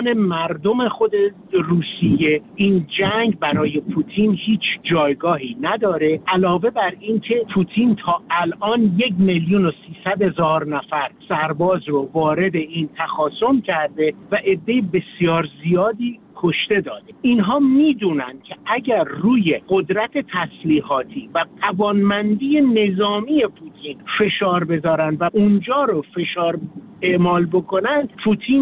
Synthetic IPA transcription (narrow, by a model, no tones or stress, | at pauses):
nemæɾd̪o̞me̞xo̞d̪e̞ | ruːsije̞ʔiːnd͡ʒæŋɡbæɾɒːje̞pʰut̪ʰiːnhiːt͡ʃʰd͡ʒɒːjɡɒːɦiːnæd̪ɒːɾe̞ʔælɒːve̞bæɾiːncʰe̞pʰuːt̪ʰiːnt̪ʰɒːʔælʔɒːnje̞kmeljunosiːsæd̪he̞zɒːɾnæfæɾsæɾbɒːzɾovɒːɾe̞d̪e̞ʔiːnt̪ʰæxɒːso̞mcʰæɾd̪e̞væʔe̞d̪ːe̞jebe̞sijɒːɾzijɒːd̪iːkʰoʃt̪e̞d̪ɒːd̪e̞inɦɒːmiːd̪uːnæ̰nd̪̥̚cʰeʔæɟæɾːuːje̞ɢod̪ɾæt̪ʰe̞t̪ʰæsliːɦɒːt̪ʰiːvæɢævɒːnmænd̪iːje̞ne̞zɒːmiːje̞pʰut̪ʰiːnfe̞ʃɒːɾbe̞zɒːɾænd̪væʔund͡ʒɒːɾofe̞ʃɒːɾ | e̞ʔmɒːlbo̞kʰo̞nænd̪̥pʰuːt̪ʰin